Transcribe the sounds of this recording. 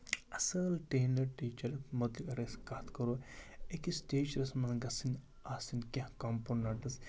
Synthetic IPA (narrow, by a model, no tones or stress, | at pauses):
ɐsɐlʈeːnɐʈiːt͡ʃɐɾmod̪likɐɾeskaːt̪kɐɾoːekisteːt͡ʃɾɐsmɐnɡɐsin | aːsinkʲãhkɐmponːaʈɐs